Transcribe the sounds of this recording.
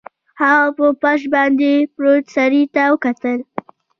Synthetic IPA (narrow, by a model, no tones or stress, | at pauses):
haɣapəpaʃbɑnd̪epɾot̪saɾit̪awəkat̪əl